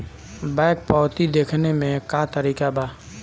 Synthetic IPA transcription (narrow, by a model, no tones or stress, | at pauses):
baɪk̚pɔːt̪id̪eːkʰnemẽkaːt̪əɾiːkabaː